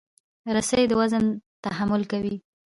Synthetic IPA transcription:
ɾasəjd̪əwazənt̪aɦamʊlkawi

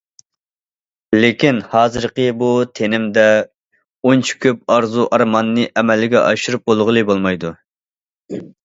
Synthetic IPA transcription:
lekʲinhɑːzɨɾqəbut̪ʰenɪmd̪ɛ | ont͡ʃʰi̥kʲʰøp̚ɑɾzuʔɑɾmɑnːɨʔɛmɛlɪɡʲɛʔɑʃɨɾup̚bolˠʁəlˠɨbolˠmɑjd̪u

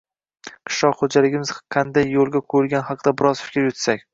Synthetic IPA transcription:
qʰɨ̥ʃɒqχod͡ʒalɪɡʲɪmɪz̥qʰɑnd̪ajːolˠɡʲakʰɵjɪlɡʲanhɑqd̪abɪɾɒzfɪ̥kʲɾjʊt̪sakʲ

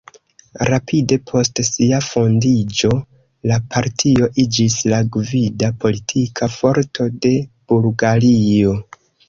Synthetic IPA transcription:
ɾapʰide̞pʰo̞stsiafo̞ndid͡ʒo̞ | lapʰaɾtʰio̞ʔid͡ʒislaɡvidapʰo̞litʰikʰafo̞ɾtʰo̞de̞b̥ulɡalio̞

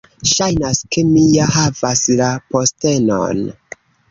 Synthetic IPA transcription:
ʃajnaske̞mijaɦavaslapo̞ste̞no̰n

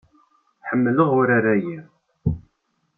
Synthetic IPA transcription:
ħəmːələʁʊɾaɾæjim

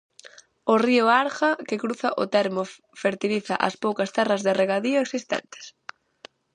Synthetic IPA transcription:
ʊriʊaɾɣɐkɪkɾuθɐʔʊt̪ɛɾmʊ | feɾt̪iliθɐʔɐ̰spowkɐst̪ɛrɐzðɪreɣaðiʊeksist̪ɛ̰nt̪ɪ̥s

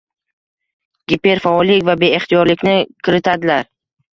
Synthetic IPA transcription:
ɡ̥ʲɪpe̞ɾfaɒlːɪkʲvabe̞eχt̪ʰijɒɾlɪkʲnɪkʲʰɪɾɪt̪ʰad̪ɪlaɾ

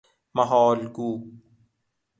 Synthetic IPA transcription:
mɐɦɔːlɡuː

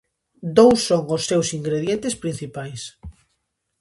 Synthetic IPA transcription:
d̪owsːoŋosːewsiŋɡɾeðjent̪espɾĩn̟θipajs

